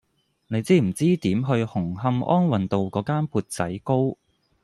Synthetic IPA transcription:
ne˨˧jt͡siː˥m̩˨˩t͡siː˥t̪iː˨˥mɦɵ˧ɥhʊ˨˩ŋɦɐ˧mʔɔ̰ː˥nwɐ˨nt̪o˨wkɔː˨˥kaː˥npʰuː˧t̚t͡sɐ˨˥jko˥w

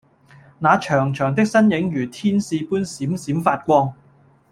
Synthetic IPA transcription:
naː˨˧t͡ʃʰœː˨˩ŋt͡ʃʰœː˨˩ŋt̪ɪ˥k̚sɐ˥njɪ˨˥ŋjyː˨˩t̪ʰiː˥nsiː˧puː˥nsiː˨˥msiː˨˥mfaː˧t̚kʷɔː˧ŋ

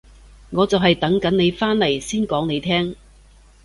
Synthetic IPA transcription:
ŋɔː˨˧t͡sɐ˨wɦɐ˨jt̪ɐ˨˥ŋkɐ˨˥ne˨˧jfaː˥nlɐ˨˩jsiː˥nkɔː˨˥ŋne˨˧jt̪ʰɛː˥ŋ

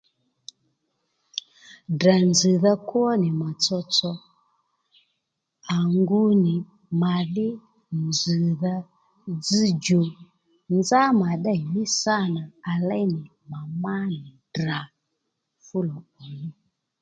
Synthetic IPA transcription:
da˨nzi˨ða˦kwɔ˦nɪ˨ma˨t͡sɔ˧t͡sɔ˦ | a˨ŋɡu˧nɪ˨ | ma˨ðɪ˦ | nd͡zi˨ða˦ | d͡zi˦d͡ʒo˨ | nd͡za˦ma˨ɗa˦˨ji˦sa˦˨na˨a˨lɛ˦nɪ˨ | ma˨ma˦nɪ˨ | da˨ | fu˦lɔ˨ɔ˨ni˦

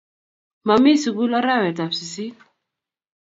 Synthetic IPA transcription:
ma˨mi˦si˨ku˦la˦ɾa˦wɛ˨ta˨fsi˨si˦n

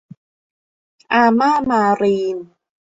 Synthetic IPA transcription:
ʔa˧ma˦ma˧ɾiː˨˧n

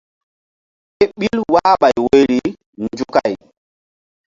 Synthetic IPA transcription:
e˦ɓi˦lwaː˦ɓa˨jwo˦jɾi˨ | nd͡ʒu˦ka˨j

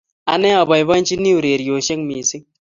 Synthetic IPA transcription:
a̰˨ne˦a˨ba˨jbɐ˦nt͡ʃi˦ni˦u˨ɾe˨ɾi˨jo˨ʃe˦ŋmiː˨si˦ŋ

